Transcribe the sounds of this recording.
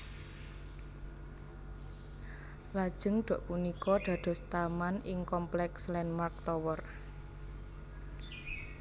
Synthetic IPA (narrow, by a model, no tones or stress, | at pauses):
lad̥ʒ̥əŋɖ̪̥o̤ʔpunikɔɖ̪̥ä̤d̪̥ɔ̤st̪amanɪŋkɔmplɛkslɛnmark̚t̪ɔwɔr